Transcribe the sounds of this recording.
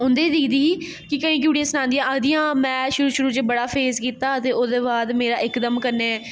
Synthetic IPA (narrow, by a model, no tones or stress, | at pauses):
ʊnd̪eːd̪iːd̪iːiː | kɪkəĩːk̬juːɽijãːsənãːnd̪ijãːʔəɡd̪ijãːmɛ̃ːʃʊɾuːʃʊɾuːt͡ʃebəɽaːpʰeːzkiːt̪aːət̪eːoːd̪eːbaːd̪meːɾaːʔɪkd̪əmkəɾneː